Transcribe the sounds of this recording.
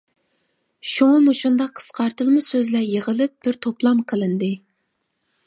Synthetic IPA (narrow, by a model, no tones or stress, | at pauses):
ʃuŋˠmuʃund̪ɑqʰːə̥sqɑɾt̪ɨlˠmɨsøzlæjeʁəlˠɨp̚b̥ɪɾt̪ʰoplˠɑmqʰəlˠɨnd̪ɨ